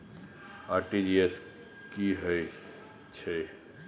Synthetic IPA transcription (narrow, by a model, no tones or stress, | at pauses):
aɾʈid͡ʒies | kiɦəj | t͡ʃʰe